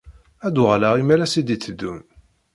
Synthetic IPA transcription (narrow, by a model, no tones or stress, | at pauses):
æd̪uʁlaʁimælæsid̪it͡sːəd̪ːun